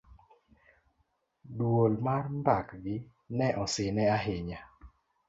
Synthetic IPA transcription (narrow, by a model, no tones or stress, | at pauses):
dwolmarmbakɡɪ | nɛʔɔsɪnɛaɦɪɲa